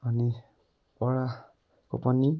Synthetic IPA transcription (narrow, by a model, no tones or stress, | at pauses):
ani | pɔɹa | ko̰pɔni